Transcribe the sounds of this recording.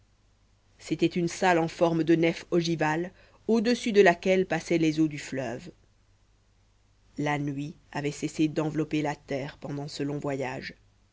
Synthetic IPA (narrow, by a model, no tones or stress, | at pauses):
set̪ɛt̪ynsalɑ̃fɔʁmd̪ənɛfɔʒival | od̪əsyd̪əlakʲɛlpasɛlezod̪yflœ̰v | lanɥi | avɛsɛsed̪ɑ̃vlɔpelat̪ɛːʁpɑ̃d̪ɑ̃səlɔ̃vwajaːʒ